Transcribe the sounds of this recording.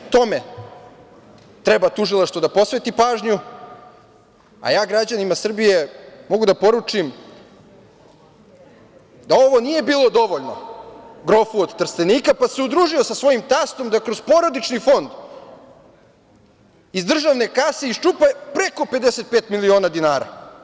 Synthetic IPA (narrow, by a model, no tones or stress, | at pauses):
t̪o̞me̞ | t̪ɾebat̪uʒilˠaʃt̪vod̪apo̞sʋet̪ipaːʒɲu | a̰jaːɡɾad͡ʑanimasr̩bije̞mo̞ɡud̪apo̞ɾut͡ʂim | d̪ao̞ʋo̞nije̞biːlˠo̞d̪o̞ʋo̞ʎno̞̰ɡɾo̞fuod̪t̪ːrst̪eniːkapaseud̪ɾuːʒiosasʋo̞jimt̪ast̪o̞md̪akɾozpo̞ɾod̪it͡ʃnifo̞nd̪ | izd̪r̩ʒaʋne̞kaseist͡ʂupapɾe̞ko̞pe̞d̪ese̞t̪̚peːt̪milio̞ːnad̪inaːɾa̰